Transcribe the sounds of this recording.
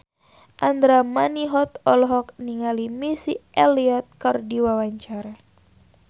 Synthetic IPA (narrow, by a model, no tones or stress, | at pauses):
ʔand̪ɾamaniɦɔt̪ɔlɔɦɔk̚niŋalimisiʔɛliɔt̪̚kɨrdiwawaɲt͡ʃaɾa